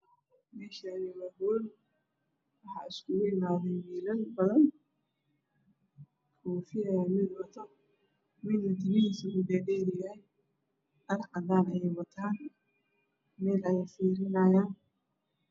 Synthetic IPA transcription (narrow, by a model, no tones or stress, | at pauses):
mɛːʃanɪwɐhwɔːl | wɑħɑ̰ːɪskʰʊɣʊɪmaːðɛjmɛːlɐlbɐðɐn | kʰɔːfɪjɐjmɪd̪wɐt̪ʰɔ | mɪd̪ɐd̪ɪmɪhiːsɐkʊd̪ɛːɖɛːɾɪjaːj | ɐɾʔɐd̪aːnɐjɛjwɐt̪ʰaːn | mɛːlɐjɐfiːɾɪnɐjaːn